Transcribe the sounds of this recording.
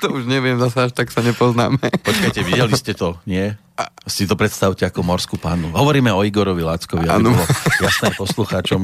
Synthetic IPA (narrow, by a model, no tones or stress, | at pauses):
t̪ɔuʒɲɛʋɪɛmzasɛaʃt̪aksaɲɛpɔzna̰ːmɛpɔt͡ʃkajcɛʋiɟɛliscɛt̪ɔɲɪɛ | sit̪ɔpɾɛt̪st̪aʊcɛakɔmɔɾskupaːnuɦɔʋɔɾiːmɛɔiɡɔɾɔʋilaːt͡skɔʋiabiɔlɔjasnɛːpɔsluxaːt͡ʃɔm